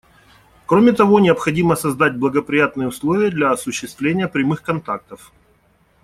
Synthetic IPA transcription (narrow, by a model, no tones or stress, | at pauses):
kɾomʲɪt̪ɐvo̞nʲɪɐpxɐdʲiməsɐzd̪at̚ʲblˠəɡəpɾʲɪjat̪nɨjəʊslˠovʲɪjəd̪lʲɐɐsʊɕːɪst̪vlʲenʲɪjəpɾʲɪmɨxkɐnt̪ak̚t̪əf